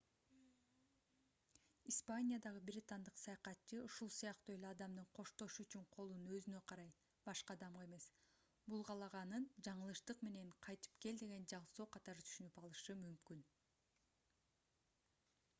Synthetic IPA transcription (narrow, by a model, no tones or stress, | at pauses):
ispanʲijad̪ɑʁɯbiɾʲit̪ɑnd̪ɯqsɑjɑqɑt̪t͡ʃɯuʃulˠsijɑqt̪uːe̞leɑd̪ɑmd̪ɯɴqʰo̞ʃt̪o̞ʃuyt͡ʃyɴqʰo̞lˠunø̞zynø̞qʰɑɾɑj | b̥ɑʃqɑːd̪ɑmʁɑe̞me̞s | bulˠʁɑlˠɑʁɑnɯnd͡ʒɑɴɯlˠɯʃt̪ɯqme̞ne̞ɴqʰɑjt̪ɯ̥pke̞ld̪e̞ɡe̞nd͡ʒɑɴso̞ːqʰɑt̪ɑɾɯt̪ʰy̥ʃynypɑlˠɯʃɯmymkyn